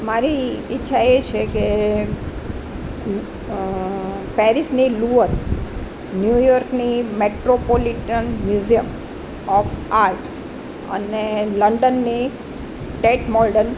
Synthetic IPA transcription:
maɾiːtːʃʰaet͡ʃʰeke | pɛɾisniluəɾ | njujɔɾknimeʈɾopoliʈənmjuzijəm | ɔfaɾʈ | ə̰neləɳɖənːi | ʈeʈmɔlɖən

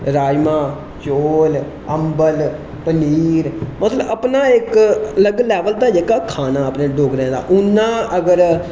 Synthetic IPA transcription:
ɾaːjmãː | t͡ʃoːl | əmbəl | pəniːɾmət̪ləəpnaːɪkələɡlɛːʋəld̪aːd͡ʒeːkaːkʰaːnãːəpnẽːɖoːɡɾɛ̃ːd̪a̰ːʔʊnːãːəɡəɾ

